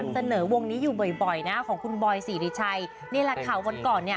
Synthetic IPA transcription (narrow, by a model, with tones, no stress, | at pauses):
msa˧nɤː˩˦wo˧ŋniː˦˥juː˨˩bɔ˨˩jbɔ˨˩jna˦˥˩kʰɔː˩˦ŋkʰu˧nbɔː˧jsiː˩˦ɾiː˨˩t͡ɕʰa˧j | ni˥˩la˧˥k̪ʰaː˩˦wa˧nkɔː˨˩nːi˥˩ɐ